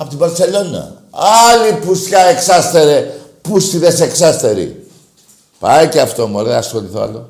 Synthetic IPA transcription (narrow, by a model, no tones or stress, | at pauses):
ɐpo̞t̪ibɐɾse̞lo̞nɐ̰ | ɐlipuskɐeksɐst̪eɾepust̪iðeseksɐst̪eɾḭ | pɐjceɐft̪o̞muoleðɐsxo̞liθo̰ɐ̰lo